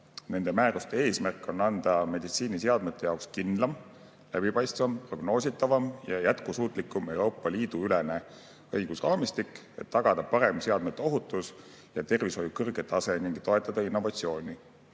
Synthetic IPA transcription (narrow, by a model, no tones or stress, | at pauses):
ne̞nd̪emæːɾust̪ee̞ːsmærkːˑo̞nːɑnd̪̥ɑme̞d̪it̪siːniseɑd̪met̪ːˑe̞jɑwkskind̪lɑm | læb̥ipɑjst̪vɑmpro̞ɡ̥no̞ːsit̪ːˑɑvɑmjɑjæt̪kusuːt̪ˑlikːˑume̞wɾo̞ːpːˑɑliːd̪uylene̞ | ɤ̞jɡ̥usrɑːmist̪ikːˑ | e̞̰t̪ːɑɡ̥ɑd̪̥ɑpɑɾe̞mseɑd̪met̪ːˑeo̞ɦut̪ːˑus | jɑt̪e̞rviso̞jukɤrɡ̥et̪ːɑse̞niŋɡ̥t̪o̞e̞t̪ːˑɑd̪̥ɑinːo̞vɑt̪sio̞ːnʲi